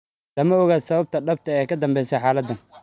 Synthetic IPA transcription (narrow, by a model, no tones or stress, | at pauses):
lɐmɐɔɣaːd̪sɐβɐb̚t̪ʰɐɖɐb̚t̪ʰɐɛːjkʰɐd̪ɐmbɛjsɛħaːlɐd̪ːɐn